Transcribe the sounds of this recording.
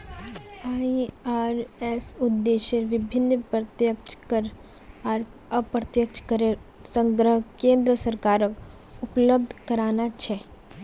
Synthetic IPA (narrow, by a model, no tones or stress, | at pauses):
aːiaːɾɛsʊd̪ːeːʃeɾʋɪbʱɪnːpɾət̪jək̚t͡ʃkəɾ | aːɾəpɾət̪jəkt͡ʃkəɾeɾsə̃ŋɡɾəɦkẽːnd̪ɾəsəɾkaːɾək | ʊpləb̚d̪ʱkɐɾaːnat͡ʃʰɛ